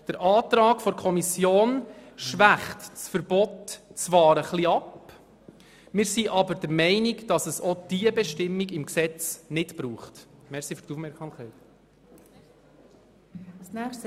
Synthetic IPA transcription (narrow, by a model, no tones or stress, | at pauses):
d̥əɾʔɑːt̪ɾɑːɡfɔɾkʰɔmisjoːnʃʋæχtt͡sfəɾb̥ɔtt͡sʋɑːɾəχliɑp | mɪːɾsiʔɑbəɾd̥əɾmɛɪniɡd̥ɑsəsɔd̥iəbɛʃtɪmːiɡɪmksɛt͡snɪtb̥ɾuːχtmɛɾsifyɾtufmɛɾksɑmkɛɪt | snæst